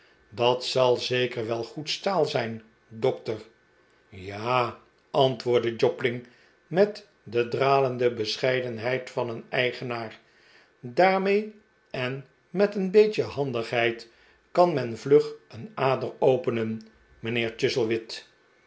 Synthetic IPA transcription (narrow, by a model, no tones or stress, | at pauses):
dɑtsɑlˠzejkəɹʋɛlˠχutstaːlˠzɛjn | dɔk̚təɹ | jaː | ʔɑntʋʊːɹdəd͡ʒɔplɪŋ | mɛt | dədraːləndəbəsχɛjdənɦɛjtfɑnənɛjχənaːɹ | daːɹmej | ɛn | mɛtənbejt͡ʃəɦɑndəχɦɛjt | kɑnmɛnvlɵχənaːdərowpənən | mənɪːɹt͡ʃɪzəlˠʋɪt